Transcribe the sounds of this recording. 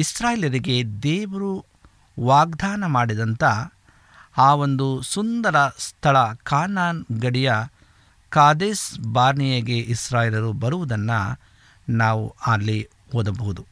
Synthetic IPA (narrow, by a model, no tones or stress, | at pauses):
isɾaːjljɐɾiɡe̞d̪ɛːʋɐɾu | ʋaːɡd̪ʱaːnɐmaːɽid̪ɐnt̪ɐ | aːʋo̞nd̪usund̪ɐɾɐst̪ʰɐɭɐkaːnaːnɡɐɽijɐ | kaːd̪eːsbaːɾnijɐɡeʔisɾaːjelɐɾubɐɾuʋud̪ɐnːɐ | naːʋṵaːɾli | oːd̪ɐbɐɦud̪u